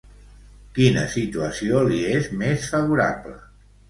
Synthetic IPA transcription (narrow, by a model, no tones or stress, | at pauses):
kinə̰sit̪uəsioliezmesfəβuɾa̰plə̰